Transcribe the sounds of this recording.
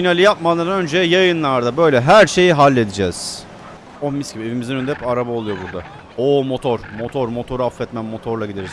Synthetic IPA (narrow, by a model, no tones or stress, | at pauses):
finalʲˠijap̚malˠaɾɯnønd͡ʒɛjajɯnlˠaɾd̪abø̞jlʲɛɦæɾʃe̞jiɦalʲːe̞d̪id͡ʒɛz̥ | omiscʲibievimizinønd̪ɛɛpaɾabaolˠujo̞buɾd̪a | oːmo̞t̪ʰo̞ɾ̥mo̞t̪ʰoɾmo̞t̪ʰo̞ɾafɛt̪mænmo̞t̪ʰo̞ɾlˠaɟid̪eɾiz̥